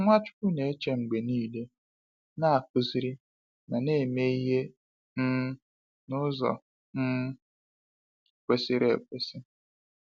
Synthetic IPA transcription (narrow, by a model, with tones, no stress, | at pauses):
ŋʷa˦t͡ʃʊ̥˦ku˦ne˨e˦t͡ʃe˦ŋ͡m̩˨ɡ͡be˨niː˦˨le˦ | na˦a˨ku˨zi˨ɾi˦ | na˨ne˦˨me˦i˦ɦe˦ | m̩˦ | nʊ˦zɔ̰˨ | n̩˦ | kʷe˨si˦ɾḛ˨kʷe˨si˦